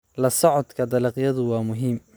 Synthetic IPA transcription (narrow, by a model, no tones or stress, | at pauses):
lɐsɔʕɔd̪kʰɐd̪ɑlɑqjɐðʊwɑːmʊɦiːm